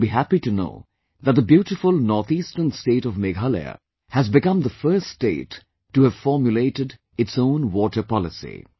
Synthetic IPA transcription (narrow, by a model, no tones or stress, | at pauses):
biɦæpituno̰ʊ | ðət̚d̪əbjuːʈɪfʊlˠnɔɹt̪istənsteɪɾɔvmeɡalḛ | hæzbɪkʌ̃md̪əfɜ˞sdeɪtː | uhæv̥fɔɹmjuleɪtɨd | ɨtsõʊ̃nwɔʈə˞pɑlɪsḭ